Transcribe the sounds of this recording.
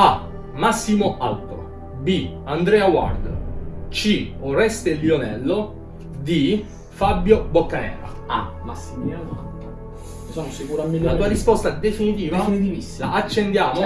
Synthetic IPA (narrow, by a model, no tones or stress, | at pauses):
a | masːimoʔalt̪o | biand̪ɾɛːawa̰rd̪o̰t͡ʃiorɛst̪elionɛlːo | d̪i | fabjobokːanɛ̰ːɾa̰ | a̰masːimaat̪o | d̪it͡ʃaːmosekuɾamat̪uːaɾispɔst̪ad̪efinit̪iːvaainit̪ivisːaat͡ʃːend̪jaːmo